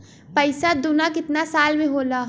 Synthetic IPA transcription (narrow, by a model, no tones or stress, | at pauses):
pɐɪsad̪ʊnakɪt̪nasaːlmẽɦoːlaː